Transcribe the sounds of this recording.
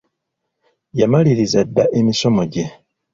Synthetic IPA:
jamaliɾizadːaʔemisomoɟe

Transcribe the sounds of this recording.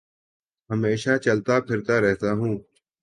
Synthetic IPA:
ɦəmeːʃaːt͡ʃəlt̪aːpʰɪɾt̪aːɾɛɦt̪aːɦũː

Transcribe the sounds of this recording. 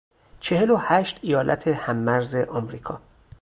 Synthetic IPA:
t͡ʃʰe̞he̞lohæːʃt̪ijɒːlʔæ̰t̪ʰe̞hæmːæɾzeʔɒːmɾiːkʰɒː

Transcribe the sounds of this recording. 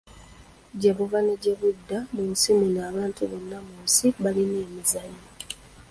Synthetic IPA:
ɟeβuvaneɟe̞βudːamunsimunaːβaːntuβo̞nːamuːnsiβalineːmizaɲo

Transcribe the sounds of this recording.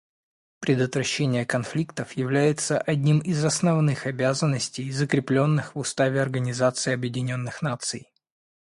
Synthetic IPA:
pɾʲɪd̪ət̪vɾɐɕːenʲɪjəkɐnflʲikt̪əfjɪvlʲæjɪt̪səʔɐdʲnʲimɪzɐsnɐvnɨxɐbʲazənːəsʲtʲɪjzəkɾʲɪplʲo̞nːɨxvʊst̪avʲɪɐrɡənʲɪzat̪sɨɐbjɪdʲɪnʲo̞nːɨxnat̪sɨj

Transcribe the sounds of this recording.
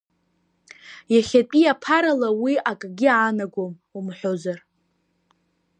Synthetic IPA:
jaχʲatʼiapʰaɾalawiakʼaɡʲiaːnaɡʷom | umħʷᶣozar

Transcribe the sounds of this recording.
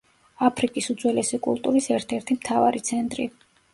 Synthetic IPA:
apʰɾikʼisud̪zwɛlɛsikʼṵlˠt̪ʼuɾisɛɾt̪ʰɛɾt̪ʰimt̪ʰava̰ɾit̪sʰɛnt̪ʼɾḭ

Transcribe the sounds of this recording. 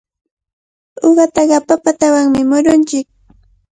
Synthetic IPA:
oɢɑt̪ɑɢɑpapat̪awaŋmɪmʊɾʊnt͡ʃɪk̚

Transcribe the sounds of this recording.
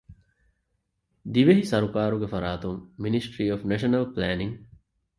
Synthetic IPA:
d̪iʋeɦisɐɾukaːɾuɡefɐɾaːt̪uŋːinisʈɾiːofneʃɐnɐlplæːniŋ

